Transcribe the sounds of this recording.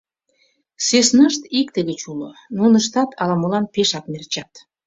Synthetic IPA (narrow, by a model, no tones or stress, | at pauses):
sesnəʃt̪ikt̪eɣət͡ɕulo̰nunəʃt̪ɑt̪ʰɑlɑmolɑnpeʃɑknert͡ɕɑt̪